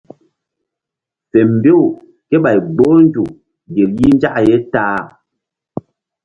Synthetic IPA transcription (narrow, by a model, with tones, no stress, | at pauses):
fɛ˨m˨be˦u˨ | kɛ˦ɓa˨jɡ͡bo˦n˦d͡ʒu˨ | ɡe˨lji˦n˦d͡ʒa˦ʔjɛ˦taː˦